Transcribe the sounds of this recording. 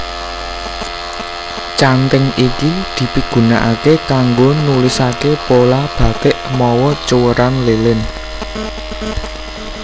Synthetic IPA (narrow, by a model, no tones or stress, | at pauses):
t͡ʃant̪əŋikid̪̥i̤piɡ̥ṳnaʔakekaŋɡonulisakepolab̥ä̤ɡ̪̥ɪʔmɔwɔt͡ʃuwəɾanlelɪn